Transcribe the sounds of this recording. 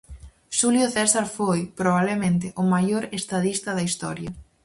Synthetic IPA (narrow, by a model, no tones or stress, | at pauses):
ʃuljʊθɛsaɾfojpɾoβ̞aβlemẽnt̪ɪʔʊmajoɾest̪aðist̪ɐðɐist̪ɔɾjɐ